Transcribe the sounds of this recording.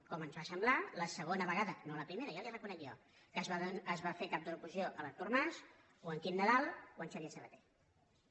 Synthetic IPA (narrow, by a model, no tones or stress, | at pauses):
kɔmənzβasəmblaləsəɣ̞onəβəɣaðənoləpɾimeɾəjaliərəkunəɣio | kəzaəzβafekap̚d̪əɾukuzioʔələt̪urmaz | oəŋkinːəðalˠoənʃaβiəsəβə̰t̪e̥